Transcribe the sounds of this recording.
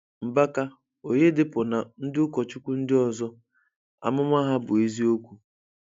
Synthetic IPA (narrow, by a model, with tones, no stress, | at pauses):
m̩˨ba˦ka˦ | o˨ɲe˦dɪ˦pʊ˨na˨n̩˦dɪ˦ʊ˦kɔ˨t͡ʃu˦kʷu˦n̩˦dɪ˦ɔ˨zɔ˦ | a̰˨mʊ˦mʷa˦ɦa˦bʊ˨e˦zi˦o˦kʷu˨